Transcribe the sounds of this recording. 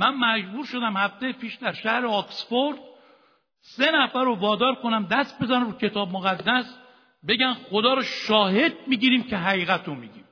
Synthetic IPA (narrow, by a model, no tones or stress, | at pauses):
mænmæd͡ʒbuːɾʃo̞d̪æmhæft̪ejepʰiːʃd̪æɾʃæhɾeɒksfoɾd̪ | se̞næfæɾovɒːd̪ɒːɾko̞næmd̪æst̪̚be̞zænæmɾuːcʰe̞t̪ʰɒːbmoɣæd̪ːæs | be̞ɟæmxod̪ɒːɾɒʃɒːhe̞d̪̚miːɟiːɾiːmcʰe̞ɦæɣiːɣæt̪ʰomiːɟiːm